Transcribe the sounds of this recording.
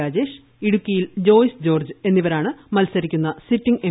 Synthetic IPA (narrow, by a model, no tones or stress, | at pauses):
aːd͡ʑe̞ːʂ | iɽukʲːijild͡ʑo̞ːjsd͡ʑo̞ːrd͡ʑɨe̞nːiʋɐɾaːɳɨmɐlsɐɾikʲːunːɐsitːiŋɡe